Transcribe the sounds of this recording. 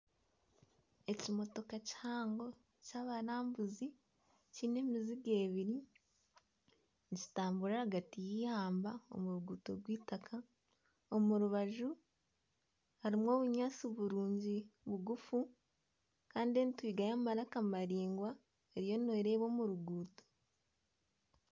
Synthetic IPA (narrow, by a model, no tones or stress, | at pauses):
e̞cimo̞to̞kaci̥haːŋɡo̞ | caːβaɾaːmbuzi | ciːne̞ːmiziɡe̞ːβiɾi | nci̥taːmbuɾaaɡatijihaːmbao̞̰muɾuɡuto̞ɡwiːtakʰa | omuɾuβaʒu | haɾimwo̞ːβuɲaːt͡siβuɾuːɲɟiβuɡufu | kaːndienitwiːɡajamaɾakamaɾiːŋɡwa | eɾijo̞nweɾe̞ːβo̞ːmuɾuɡuːto̥